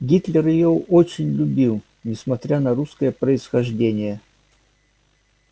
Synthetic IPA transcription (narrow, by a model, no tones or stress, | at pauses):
ɡʲit̪lʲɪrjɪjoot͡ɕɪnʲlʲʊbʲilˠ | nʲɪsmɐt̪ɾʲanɐɾuskəjəpɾəɪsxɐʐdʲenʲɪjə